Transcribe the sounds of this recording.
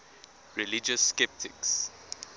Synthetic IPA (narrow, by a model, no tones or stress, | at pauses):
ɹilid͡ʒəsːkɛp̚tʰɪks